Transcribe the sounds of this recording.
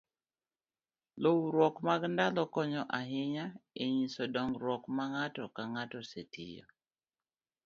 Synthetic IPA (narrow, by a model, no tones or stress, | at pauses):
lowɾwɔkmaɡndalɔkɔɲɔʔaɦɪɲaeɲisɔdɔŋɾwɔkmaŋatɔkaŋatɔsḛtʰḭjɔ̰